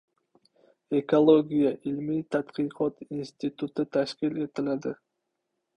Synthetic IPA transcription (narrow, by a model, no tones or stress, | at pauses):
ekolˠoɡʲijaʔilmit̪ʰat̪qʰɨjqʰɒt̪inst̪it̪ut̪ɪt̪ʰaʃkʲɪle̞t̪ʰɪlad̪ɪ